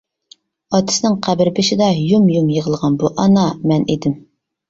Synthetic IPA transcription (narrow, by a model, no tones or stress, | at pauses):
ɑt̪ʰɪ̥sɨnɪŋqʰæbɪɾbɪʃɪd̪ɑjumjumjəʁəlˠʁɑnbuʔɑnɑmɛned̪ɪm